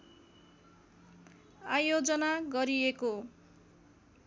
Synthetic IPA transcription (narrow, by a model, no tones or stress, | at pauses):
ajod͡zʌnaɡʌɾieko